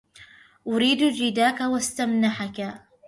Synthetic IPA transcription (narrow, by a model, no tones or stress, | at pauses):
ʔʊɾiːd̪d͡ʒɪd̪aːkawast̪amnaħaka